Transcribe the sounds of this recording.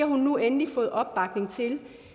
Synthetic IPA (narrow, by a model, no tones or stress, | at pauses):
ɐhunːuenlifɔ̽ːð̞̩ˠɒ̽b̥ːɑ̈ɡ̥ne̝ŋt͡sʰe̝l